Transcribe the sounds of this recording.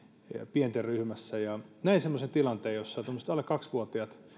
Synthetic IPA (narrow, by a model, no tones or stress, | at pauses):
pient̪erryhmæsːæjɑnæinsemːosent̪ilɑnt̪eːjosːɑt̪omːost̪olekɑksʋuot̪iɑt̪